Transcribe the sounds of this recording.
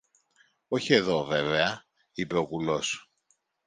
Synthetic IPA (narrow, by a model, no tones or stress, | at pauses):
o̞çie̞ðo̞ve̞veɐ | ipe̞o̞ɣulo̞s